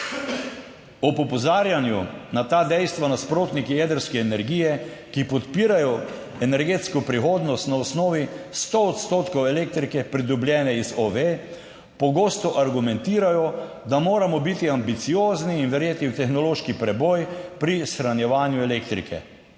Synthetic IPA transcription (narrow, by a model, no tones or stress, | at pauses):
ɔpɔpɔzaːɾjanjunat̪aːd̪ɛjst̪ʋanaspɾoːt̪nikijed̪əɾskɛːnɛɾɡijɛ | kipɔt̪piːɾajɔ | ɛnɛɾɡeːt̪skɔpɾixoːd̪nɔst̪naɔsnɔːʋist̪oɔt̪st̪oːt̪kɔwɛleːk̚t̪ɾikɛpɾid̪ɔbljɛːnɛizoʋe | pɔɡoːst̪ɔʔaɾɡumɛnt̪iːɾajɔ | d̪amoːɾamɔbit̪iambit̪sijoːzniːnʋɛɾjeːt̪niwt̪ɛxnɔloːʃkipɾɛbɔjpɾisxɾanjɛʋaːnjuɛlekt̪ɾḭkʰɛ̰